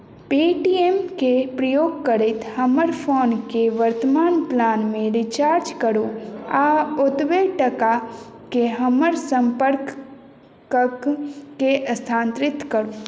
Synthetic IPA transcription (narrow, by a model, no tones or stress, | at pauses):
piːʈiemkepɾəjoːɡ̚kəɾet̪həməɾpʰoːnkeʋəɾt̪əmaːnplaːnmẽɾɪt͡ʃaːɾd͡ʒkəɾoaʊt̪ʋeʈəka | keɦəməɾsə̃mpəɾk | əkːeʔəst̪ʰãːnt̪ɾɪt̪kəɾo